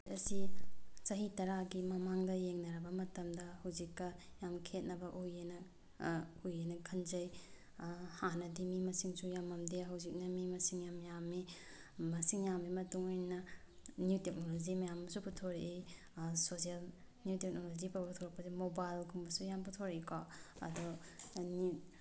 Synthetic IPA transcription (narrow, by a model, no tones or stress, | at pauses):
ɐsisɐɦitɐɾaɡimɐmaŋdɐjeŋnɐɾɐbɐmɐtɐmdɐhɐwzikːɐjamkʰet̚nɐbɐʔujenɐ | ujenɐkʰɐnzɐj | hanɐdimimɐsiŋsujamɐmdeɦɐwzik̚nɐmimɐsiŋjamjamːi | mɐsiŋjamːimɐtuŋojnɐ | niutek̚nolod͡ʒimɐjamɐsuputʰoɾeʔi | sosial | niutek̚nolozipabtʰoɾɐk̚pɐsemobajlkʰumbɐsujamputʰoɾɐikʰɔɐ̰doni